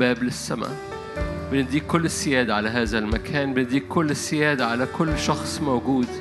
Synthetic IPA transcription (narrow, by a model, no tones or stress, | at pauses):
baːblɪsːama̰ | bɪnɪd̪iːkːʊlːɪsːɪjaːd̪aʕalaɦaːðalmakʰaːnbɪnɪd̪iːkkːʊlːɪsːɪjaːd̪aʕalakʰʊlːʃɑxsˤmawɡuːd̪